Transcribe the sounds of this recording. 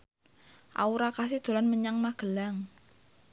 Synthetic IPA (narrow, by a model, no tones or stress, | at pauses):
ʔa̰uɾakas̬id̪̥o̤lanməɲaŋmaɡ̥əlaŋ